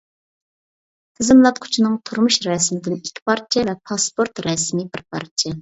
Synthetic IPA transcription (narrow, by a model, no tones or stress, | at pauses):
t̪ʰɪzɪmlˠɑt̪̚qʰʊ̥t͡ʃʰinɨŋt̪ʰuɾmuʃɾɛsmɪd̪ɪnikʲʰːi̥pʰɑɾt͡ʃʰɛvɛpʰɑspoɾt̪ɾɛsmɪbɪɾpʰɑ̰ɾt͡ʃʰɛ